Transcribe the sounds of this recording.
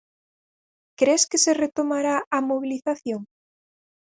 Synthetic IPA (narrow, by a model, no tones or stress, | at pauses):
kɾeskeseret̪omaɾaamoβ̞iliθaθjoŋ